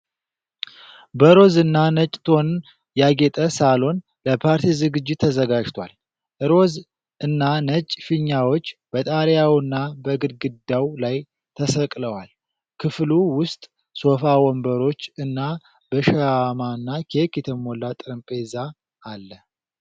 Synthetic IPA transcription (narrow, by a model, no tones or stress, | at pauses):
bəɾo̞zɨnːanət͡ʃʼt̪ʰo̞n | jaɡet̪ʼəsalo̞n | ləpʰaɾt̪ʰizɨɡɨd͡ʒːɪt̪ʰːəzəɡad͡ʒt̪ʰwal | ʔɨɾo̞z | ɨnːanət͡ʃʼfɨɲːawot͡ʃːb̥ət̪ʼaɾjawɨnːabəɡɨd̪ɡɨd̪ːawlaj | t̪ʰəsəkʼləwal | kʰɨfluwʊst̪ʼ | so̞fawɔmbəɾo̞t͡ʃːɨnːa | bəʃaamaɨnːakʰekjɛt̪ʰəmolːat̪ʼɨɾɨmpʼezaː | lːə